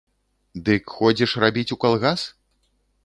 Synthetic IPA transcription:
d̪ɨkxɔd͡zʲɛʂrabʲit͡sʲukalˠɣas

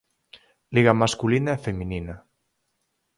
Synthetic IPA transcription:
liɣamaskulinaefeminina

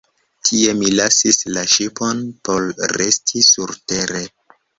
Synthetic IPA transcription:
tʰie̞milasislaʃipo̞npo̞lɾe̞stʰisuɾte̞ɾe̞

